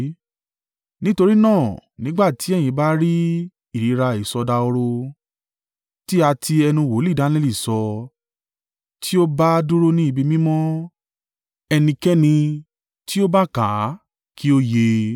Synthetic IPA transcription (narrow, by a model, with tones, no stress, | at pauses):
nĩ˦to˧ɾi˦nãː˦˨nĩ˨˦ɡ͡ba˦˨ti˨˦ɛ˦˨j̃ĩ˧˦ba˦ɾi˦ | i˦˨ɾi˨˦ɾa˧i˨sɔ˧da˧o˧ɾo˧ | ti˦a˧tʰi˧ɛ˧nũ˧wo˨˦li˦˨da˨˦le˦li˦˨sɔ˧ | tʰi˦o˦ba˦du˦ɾo˦nĩ˦i˧bi˧mĩ˦mɔ̃˦ | ɛ˧nĩ˧kɛ˦nĩ˧ | ti˦o˦ba˦kã˨˦ | kʰi˦o˦je˧